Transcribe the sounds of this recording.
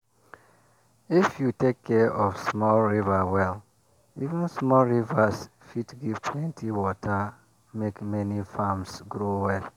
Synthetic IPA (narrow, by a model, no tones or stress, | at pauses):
ifjutekʰːɛʔɔfsmɔlɹivawɛl | ivũnsmɔlɹivas | fitɡiv̥pʰlɛ̃ntʰiwɔtʰa | mekmɛnifamsɡɾowɛl